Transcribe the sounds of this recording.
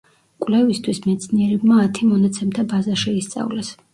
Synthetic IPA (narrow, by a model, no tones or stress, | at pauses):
kʼlɛvist̪ʰwismɛt̪sʰniɛɾɛbmaːt̪ʰimɔnat̪sʰɛmt̪ʰabazaʃɛist̪sʼa̰vlɛs